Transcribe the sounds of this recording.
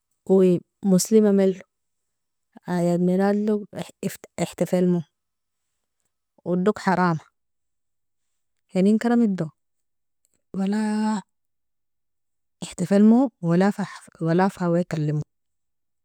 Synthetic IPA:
ui | muslimamalːu | ajad̪miɾadːufiħt̪afalmu | wud̪ukħɑɾˤɑːma | heninkaɾˤamid̪o | wala | iħt̪afalmuwalafa | walafawekalːimu

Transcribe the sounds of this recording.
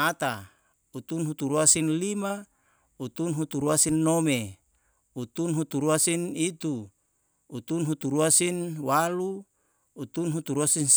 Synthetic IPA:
at̪a | ut̪unɦut̪uɾuasinlima | ut̪unɦut̪uɾuasinːome | ut̪unɦut̪uɾuasinit̪uː | t̪unɦut̪uɾuasinwaluː | t̪unɦut̪uɾuasins

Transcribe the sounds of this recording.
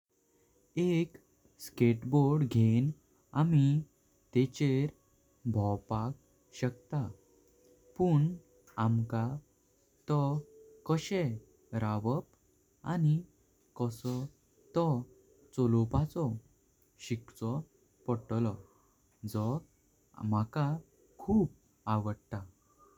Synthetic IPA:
ek | skeʈboɾɽɡʱen | ami | t̪et͡ɕeɾ | bʱɔwpak̚ | ɕək̚t̪a | puɳ | amka | t̪ɔkəɕe | ɾaʋəp | ani | kɔsɔ | t̪ɔ | t͡sɔlɔpat͡sɔ | ɕikt͡sɔ | pɔʈlɔ | d͡zɔ | maka | kʰuːp̚ | aʋəɽt̪a

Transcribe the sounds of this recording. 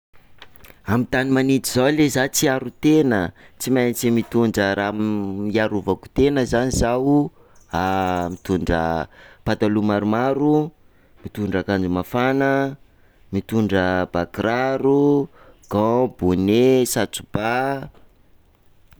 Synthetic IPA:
amit̪animanit̪izawlezat͡siaɾut̪enət͡simajnit͡simit̪uɳɖ͡ʐəɾamiaɾuvaku̥t̪enəzanizawu | amit̪uɳɖ͡ʐə̰pad̪alumaɾumaɾu | mit̪uɳɖ͡ʐakand͡ʒumafanə | mit̪uɳɖ͡ʐəb̥akɾaɾuɡ̥ɔ̃bunesat͡su̥b̥a

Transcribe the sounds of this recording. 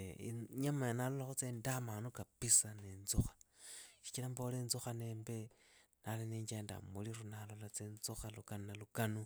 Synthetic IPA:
ɲamajanalolaxut͡sendamanukapisanenzuxḁʃi̥kilambolenzuxaneːmbe | naleneɲd͡ʒanda̰muliɾunalo̞lat͡sent͡suxalukanunalukanu

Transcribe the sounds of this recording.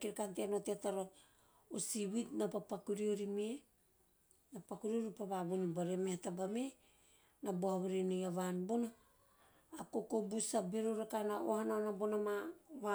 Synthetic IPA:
kiɾkanteanoteataɾo | osiβitnapapakuɾio̞ɾime | napakuɾioɾipaβaβunbaɾemehatabame | naboaβaɾenojaβanbono | akokobusabeɾoɾakanaohanonabonamaβa

